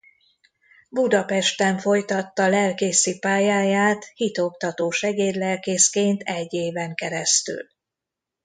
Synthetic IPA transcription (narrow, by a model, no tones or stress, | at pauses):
bud̪ɒpɛʃt̪ɛɱfo̞jt̪ɒt̪ːɒlɛlkeːsipaːjaːjaːt̪hit̪o̞kt̪ɒt̪oːʃɛɡeːrlɛlkeːskeːnt̪ʰɛɟːeːvɛŋkɛɾɛst̪y̰l